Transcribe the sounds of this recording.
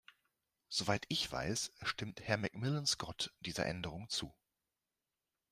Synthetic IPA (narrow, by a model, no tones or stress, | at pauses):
z̥ovaɪtɪçv̥a̰ɪsʃtɪmthɛɐmɛkmɪlənskɔtd̥iːzɐ̰ʔɛ̰ndəʁ̞ʊŋt͡sṵː